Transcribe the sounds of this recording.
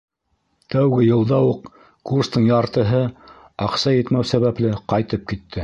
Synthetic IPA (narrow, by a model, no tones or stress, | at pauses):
t̪æwɡɘjɤ̆lˠd̪ɑwuq̚ | kurst̪ɤɴjɑɾt̪ɤ̆ɦɤ | ɑqsɑjɘ̆t̪mæwsæβæplɘqɑjt̪ɤp̚kit̪ʰːɘ